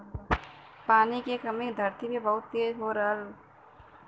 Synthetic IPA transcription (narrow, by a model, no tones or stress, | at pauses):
paːnikekɐmẽd̪ʱɐɾt̪imẽbɐɦʊt̪ːeːd͡ʒɦoːɾəɾ